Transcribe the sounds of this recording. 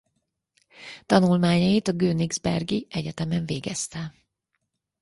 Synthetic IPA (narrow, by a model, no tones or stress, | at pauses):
t̪ɒnulmaːɲɒjit̪ɒɡøːniɡzbɛrɡiɛɟɛt̪ɛmɛɱveːɡɛst̪ɛ